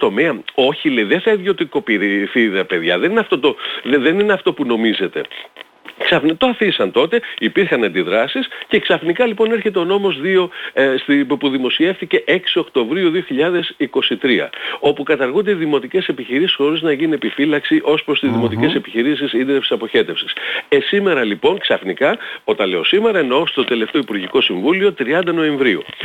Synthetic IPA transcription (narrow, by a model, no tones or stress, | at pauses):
t̪o̞meɐo̞çileiðeθɐiðjo̞t̪iko̞piɾiθiðeɐpe̞ðʝɐðe̞nineɐft̪o̞t̪o̞ðe̞nineɐft̪o̞puno̞mize̞t̪e̞̰ | ksɐfnt̪oɐθisɐnt̪o̞t̪e̞ipiɾxɐnɐnd̪iðɾɐsisce̞ksɐfnikɐlipo̞ne̞ɾçe̞t̪e̞o̞no̞mo̞zðio̞sipuðimo̞sie̞fθice̞ʔe̞ksio̞kt̪o̞vɾiuðioçiʎɐðe̞siko̞sit̪ɾiɐ̰o̞pukɐt̪ɐɾɣund̪e̞iðimo̞t̪ice̞se̞piçiɾisisxo̞ɾiznɐʝinune̞pifilɐksiʔo̞spɾo̞st̪izðimo̞t̪ice̞se̞piçiɾisisind̪ɾefsi̥sɐpo̞çe̞t̪e̞fsi̥sesime̞ɾɐlipo̞ŋksɐfnikɐo̞t̪ɐle̞o̞̰sime̞ɾɐeno̞st̪o̞t̪e̞le̞ft̪eo̞ipuɾʝiko̞siɱvulio̞t̪ɾiɐnd̪ɐno̞e̞ɱvɾiṵ